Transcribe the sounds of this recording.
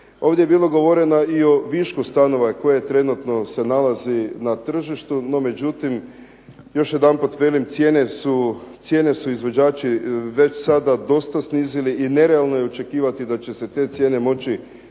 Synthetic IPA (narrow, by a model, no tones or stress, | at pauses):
o̞ːʋd̪ʲjeebiːloɡo̞ʋo̞ɾe̞naio̞ʋiʃkust̪ano̞ʋako̞jet̪ɾe̞nut̪no̞se̞nalazinat̪r̩ʒiʃt̪uno̞me̞d͡ʑut̪im | jo̞ʃjed̪anput̪ʋe̞limt̪sje̞ːnesut̪sʲje̞ːne̞suizʋo̞d͡ʑaːt͡ʃiʋe̞t͡ʃsad̪ad̪o̞st̪asniːziliʔine̞ɾealˠno̞jeot͡ʃe̞kiːʋat̪id̪at͡ɕe̞set̪e̞ːt̪sʲje̞ːne̞mo̞t͡ʃi